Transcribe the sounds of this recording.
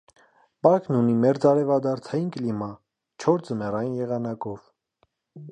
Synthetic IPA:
pɑɾknunimɛɾd͡zɑɾɛvɑd̪ɑɾt͡sʰɑjinkəlimɑ | t͡ʃʰɔɾd͡zəmɛrɑjinjɛʁɑnɑkɔv

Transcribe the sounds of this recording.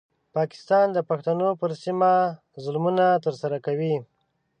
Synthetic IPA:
pɑkɪ̥st̪ɑnd̪əpaxt̪anopəɾsima | zʊlmunat̪əɾsaɾakawi

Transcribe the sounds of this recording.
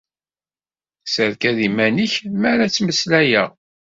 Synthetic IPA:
səɾkæðimæniçmæɾæt͡sːməslæjæ

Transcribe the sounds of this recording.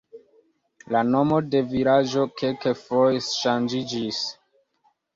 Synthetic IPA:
lano̞mo̞de̞viɾad͡ʒo̞kʰelkefojʃand͡ʒid͡ʒis

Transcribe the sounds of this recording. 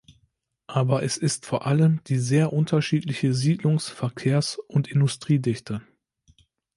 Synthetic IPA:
ʔaːbɐʔɛsɪstfoːɐʔaləmd̥iːzeːɐʔʊntʰɐʃiːtlɪçəziːdlʊŋsfɛɐkʰeːɐsʔʊntɪndʊstʁ̥iːdɪçtʰə

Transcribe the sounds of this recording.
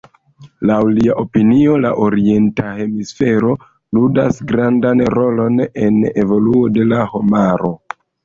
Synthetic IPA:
lawliaʔo̞pinio̞laʔoɾie̞ntahe̞misfe̞ɾo̞ | ludasɡɾandanɾo̞lo̞ne̞ne̞vo̞luo̞de̞laho̞maɾo̞

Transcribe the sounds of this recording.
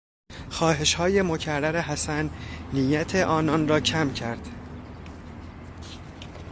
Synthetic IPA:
xɒːɦe̞ʃhɒːje̞mo̞cʰærːæɾe̞ɦæsænːijæt̪ʰe̞ʔɒːnɒnrɒːcʰæmcʰæɾd̪̥

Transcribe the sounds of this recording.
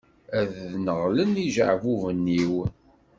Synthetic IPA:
æððnəʁləniʒə̰ʕvuvənːiw

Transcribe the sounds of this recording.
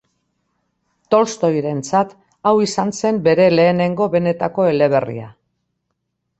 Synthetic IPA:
t̪o̞lst̪o̞jɾe̞nt͡sat̪ | awisanse̞mbe̞ɾe̞le̞ːne̞ŋɡo̞βe̞ne̞t̪ako̞e̞le̞β̞e̞rḭa̰

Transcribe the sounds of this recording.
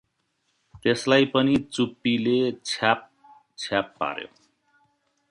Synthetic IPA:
t̪eslajpʌnit͡supːilet͡sʰap | t͡sʰapːa̰ɾjo̰

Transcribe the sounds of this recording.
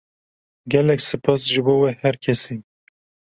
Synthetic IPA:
ɡɛlɛksɨpʰɑːsʒɨboːwehɛɾkʲʰɛsiː

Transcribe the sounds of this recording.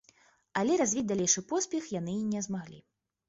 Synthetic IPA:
alʲɛɾazʲvʲid͡zʲd̪alʲejʂɨpɔsʲpʲɛxjanɨinʲɛzmaɣlʲḭ

